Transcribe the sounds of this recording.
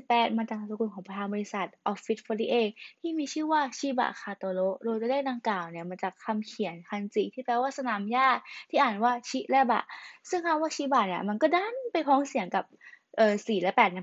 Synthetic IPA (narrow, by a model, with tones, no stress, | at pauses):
pɛː˨˥t̪̚maː˧t͡ɕaː˨˩sʰa˧˩sa˧ku˧˩nkɔː˩˦pɾa˧tʰaː˧nbɔː˧li˧˥sa˨˩t̪̚ʔɔ˨˦˩fi˦˥t̪̚fʰoː˧li˦˥ʔeː˧t̪ʰiː˥˩miː˧t͡ɕʰɯː˥˩waː˥˩t͡ɕʰiː˦˥˩ba̰˨˩kʰaː˧t̪oː˧lo˦˥ʔdoː˧jt̪ːleː˥˩da˧ŋklaː˨˩wni˧˥˩ɐma˧nt͡ɕaː˨˩kʰːa˧mkʰi˨˩˦ənkʰa˧nt͡ɕi˨˩ŋt̪ʰiː˥˩pʰɾɛː˧˥waː˥˩sa˧naː˨˦mjaː˥˩t̪ʰiː˥˩ʔaː˨˩nwaː˥˩t͡ɕʰi˦˥ʔlɛ˥˩ba̰˨˩ʔsɯ˥˩ŋkʰaː˥˩waː˥˩t͡ɕʰiː˧˥ba˨˩ni˧˥˩ɐma˧nkɔː˥˩da˥˩npa˧jpʰɔː˨˥ŋsi˨˩˦əŋka˨˩p̚ʔɤː˨˩siː˨˩lɛː˦˥pɛː˨˩t̪̚na˧˥˦